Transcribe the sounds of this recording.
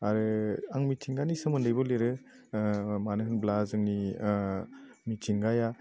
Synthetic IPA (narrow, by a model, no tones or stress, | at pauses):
aɾɯaŋmitʰiŋɡanisɯmɯndɯjbɔleɾɯ | manɯɦɯnblazɯŋni | mitʰiŋɡaja